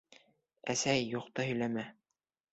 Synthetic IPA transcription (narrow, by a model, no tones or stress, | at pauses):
æsæjːuqt̪ɑhɵ̆jlæmæ